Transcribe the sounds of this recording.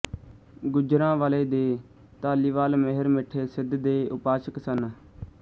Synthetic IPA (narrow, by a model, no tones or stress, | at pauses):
ɡʊd͡ʒɾãːʋaːleːd̪eː | t̪aːliːʋaːlməɦəɾmɪʈʰːeːsɪd̪d̪eːʔʊpaːʃəksən